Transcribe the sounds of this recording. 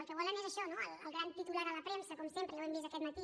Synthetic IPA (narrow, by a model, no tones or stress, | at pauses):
əlˠkəβ̞ɔlənezəʃɔnoələ̰lˠɣɾant̪it̪ulaɾələpɾɛmsəkɔmsempɾəlowɛmbizəkɛt̪mət̪i